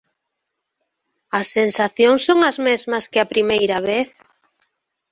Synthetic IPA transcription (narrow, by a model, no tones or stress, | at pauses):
ɐsːensaθjoŋsːoŋɐzmezmɐskɪapɾimejɾɐβeθ